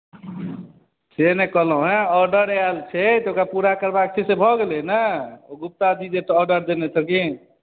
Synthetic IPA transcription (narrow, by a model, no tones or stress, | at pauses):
senekɔɦlũɦɛ̃ɔɾɖəɾalt͡ʃʰɛt̪okapuɾakəɾbak̚t͡ʃʰisebʱɔɡelenəoɡup̚t̪ad̪id͡ʒetːɾɖəɾd̪enet͡ʃʰəki